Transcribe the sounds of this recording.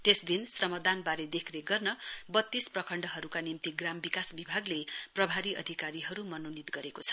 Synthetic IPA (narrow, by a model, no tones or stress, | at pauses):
t̪esd̪insrʌmʌd̪anbaɾed̪ekʰɾeɡʌrnʌbʌt̪ːisprʌkʰʌɳɖʌɦʌɾukanimt̪iɡrambikasbibʱaɡleprʌbʱaɾiʔʌ̰d̪ʱikaɾiɦʌɾumʌnonit̪ɡʌɾekot͡sʰʌ̥